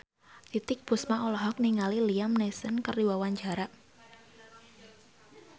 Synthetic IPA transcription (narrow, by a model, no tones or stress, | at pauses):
t̪it̪ɪk̚b̥usmaolɔɦɔk̚niŋaliliamnesənkərdiwawaɲd͡ʒaɾaʔ